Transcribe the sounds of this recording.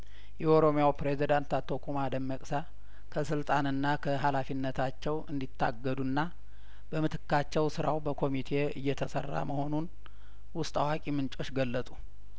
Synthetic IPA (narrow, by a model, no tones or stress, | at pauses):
jɛoɾo̞mjawpɾezid̪ant̪at̪ʰːo̞kʰumad̪əmːəkʼsa | kʰəsɨlt̪ʼanɨnːakʰəɦalafinːət̪ʰat͡ʃːɛwʔɨnd̪it̪ʰːa̰ɡːəd̪unːa | bəmɨt̪ʰɨkːat͡ʃːɛwsɨɾawbəkʰo̞mit̪ʰe̞ɨ̰jːɛt̪ʰəsərːa̰məho̞nun | wʊst̪ʼawakʼimɨnt͡ʃʼo̞t͡ʃːɡəlːət̪ʼu